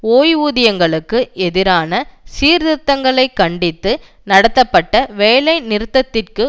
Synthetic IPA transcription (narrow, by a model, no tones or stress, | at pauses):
oːjuːðɪjɐŋɡɐɭɯkːɯɛðɪɾaːnɐsiːɾðɪt̪ːɐŋɡɐɭɐɪkːɐɳɖɪt̪ːɯ | nɐɽɐt̪ːɐpːɐʈːɐʋeːlɐɪnɪɾɯt̪ːɐt̪ːɪrkɯ